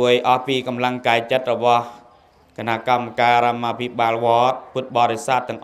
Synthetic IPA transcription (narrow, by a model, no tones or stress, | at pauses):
əjʔɑhpiːkɑmlaŋkaɛt͡ɕət̪̚rɔɓɑh | kenaʔkamːakaːɾɔmːaːpʰiɓaːlʋɔət̪̚put̪̚ɓɑːɾesaːt̪̚ːɛ̆əŋʔ